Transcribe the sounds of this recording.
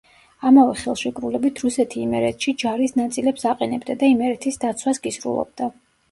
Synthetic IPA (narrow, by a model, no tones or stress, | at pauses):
amavɛχɛlˠʃikʼɾulɛbit̪ʰɾusɛt̪ʰiːmɛɾɛt̪ʰʃid͡ʒaɾisnat̪sʼilɛpsaqʼɛnɛbd̪ad̪aimɛɾɛt̪ʰisd̪at̪sʰwasɡisɾṵlˠɔ̰b̚d̪a